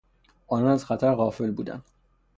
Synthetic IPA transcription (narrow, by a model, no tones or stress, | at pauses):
ʔɒːnɒːnæzxæt̪ʰæɾɣɒːfe̞lbuːd̪æ̰nd̪̥